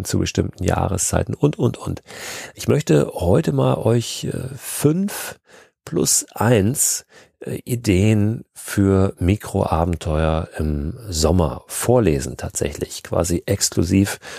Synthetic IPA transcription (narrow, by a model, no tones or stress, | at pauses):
t͡subəʃtɪmtn̩ja̰ːʁəst͡sa̰ɪtn̩ʔʊntʊntʔʊntʔɪçmœçtəhɔʏtəmaːlʔɔʏçɛfʏnf | pʰlʊ̰sʔaɪns | ʔʔideːənfyːɐmiːkʁ̥o̰ʔaːbm̩tʰɔʏɐʔɪmzɔmɐ̰foːɐleːzn̩tʰaːtz̥ɛ̰çlɪçkv̥a̰ːziʔɛkskluziːf